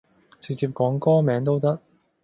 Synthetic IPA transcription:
t͡sɪ˨˧k̚t͡siː˧p̚kɔː˨˥ŋkɔː˥mɛː˨˧˥ŋt̪o˥wt̪̬ɐ˥k̚

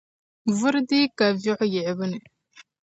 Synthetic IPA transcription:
vu˦ɾdi˦ka˨vi˦ħji˨ʕi˨bə˦ne˨

